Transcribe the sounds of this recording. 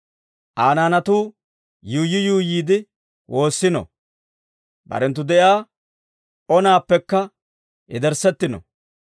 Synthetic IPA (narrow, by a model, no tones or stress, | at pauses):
ʔaːnaːnɐt̪uː | juːjːɪjuːjiːd̪ɪ | wʔo̞ːsːɪnɔ̰ | bɐ̰ɾɛnt̪ːʊd̪ɛʔjaː | ʔɔnaːpːɛkːɐ | ɛ̰d̪ɛɾsɛt̪ːɪnɔ̰